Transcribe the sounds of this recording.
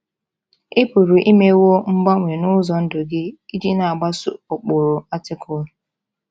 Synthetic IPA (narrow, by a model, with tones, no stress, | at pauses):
e˦pu˨ɾu˨ʔi˦me˦wo˦ŋ͡m̩˦ɡ͡ba˦ŋʷe˨nʊ˦zɔ˨n̩˦dʊ˨ɡɪ˦i˦di˦na˨a˨ɡ͡ba˦sʊ̰˦ʊ˨k͡pʊ˨ɾʊ˨a˦tɪ˦kʊ˦lʊ˨